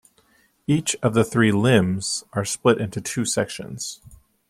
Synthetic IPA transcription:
it͡ʃʌvðɨθɹilɪ̃mz̥ʔə˞splɪɾʔɪ̃ntʉtʰʉsɛkʃɨ̰̃nz̥

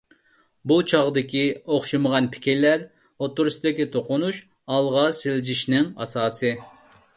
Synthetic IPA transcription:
but͡ʃʰɑʁd̪ɪkʲioχʃɨməʁɑnpʰɪ̥kʲiɾlæɾ | ot̪ːuɾusd̪ɪkʲit̪ʰoqʊnuʃ | ɑlˠʁɑsɪlɪd͡ʒiʃnɪŋɑ̰sɑːsɨ

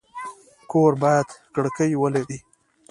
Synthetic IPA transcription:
koɾbɑjad̪kɽkəjwəleɽi

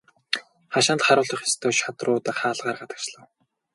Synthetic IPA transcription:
χaʃant̪χaɾʊːɮə̆χḁst̪ʰoːʃat̪rʊːt̪ăχaːɮʁaːrɢat̪ə̥̆t͡ɕɮə̆w

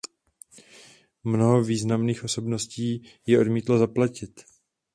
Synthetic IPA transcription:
mno̞ɦo̞viːznamniːxʔo̞so̞bno̞sciːjɛʔo̞dmiːt̪lozaplacɪt̪

